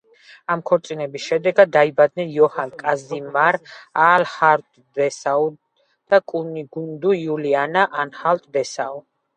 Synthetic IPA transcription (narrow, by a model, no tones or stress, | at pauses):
amkʰɔɾt̪sʼinɛbisʃɛd̪ɛɡad̪̚ːaibad̪̚nɛnjɔhankʼazimaɾalhaɾt̪ʼd̪ɛsau | d̪̥akʼuniɡund̪ujulianaʔanhalt̪ʼb̪ɛsa